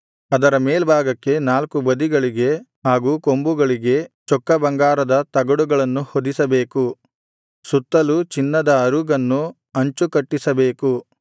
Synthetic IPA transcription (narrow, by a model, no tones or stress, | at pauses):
ɐd̪ɐɾɐmeːlbʱaːɡɐkːe̞naːlkubɐd̪iɡɐɭiɡe̞ɦaːɡuːkombuɡɐɭiɡe̞t͡ʃɔkːɐbɐŋɡaːɾɐd̪ɐt̪ɐɡɐɽuɡɐɭɐnːuhod̪isɐbeːku | sut̪ːɐlut͡ʃinːɐd̪ɐːɾuɡɐnːu | ɐɲt͡ʃukɐʈːisɐbe̞ːku